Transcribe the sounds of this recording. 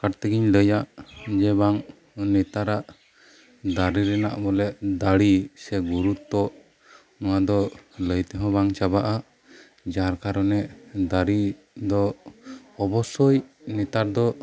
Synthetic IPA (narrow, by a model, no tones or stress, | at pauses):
kaʈt̪ɛɡiɲləjaʔd͡ʒɛbaŋ | nɛt̪aɾaʔ | d̪aɾiɾɛnaʔbɔlɛʔd̪aɽisɛɡuɾut̪ɔʔ | nɔwad̪ɔləjt̪ɛɦɔ̃baŋt͡ʃabaʔa | d͡ʒaɾkaɾɔnɛʔd̪aɽi | d̪ɔ | ɔbɔsɔjnɛt̪aɾd̪ɔ